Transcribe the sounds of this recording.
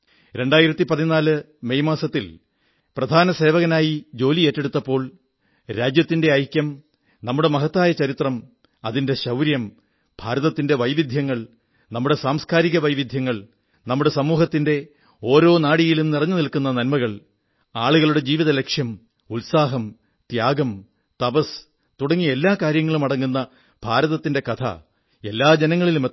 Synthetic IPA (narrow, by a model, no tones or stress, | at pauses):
ɾe̞ɳɖaːjiɾɐt̪ːipɐðinaːlɨ | me̞jmaːsɐt̪ːil | prɐd̪ʱaːnɐse̞ːʋɐɣɐnaːjid͡ʑo̞ːlieːtːe̞ɽut̪ːɐpːo̞ːɭ | ɾaːd͡ʑjɐt̪ːinde̞ɐjkʲjɐm | nɐmːuɽe̞mɐɦɐt̪ːaːjɐt͡ɕɐɾit̪rɐm | ɐðinde̞ɕɐwɾjɐm | b̥ʱaːɾɐðɐt̪ːinde̞ʋɐjʋid̪ʱjɐŋːɐɭ | nɐmːuɽe̞saːmskʰaːɾiɣɐʋɐjʋid̪ʱjɐŋːɐɭ | nɐmːuɽe̞sɐmuːɦɐt̪ːinde̞ | o̞ːɾo̞ːnaːɽijilumnirɐɲːɨnilkunːɐnɐnmɐɣɐɭ | aːɭuɣɐɭuɽe̞d͡ʑiːʋiðɐle̞kʂjɐm | ulsaːɦɐm | t̪jaːɡɐm | t̪ɐbɐs | t̪uɽɐŋːie̞lːaːkaːɾjɐŋːɐɭumɐɽɐŋːunːɐ | b̥ʱaːɾɐðɐt̪ːinde̞kɐt̪ʰɐ̰ | e̞lːaːd͡ʑenɐŋːɐɭilume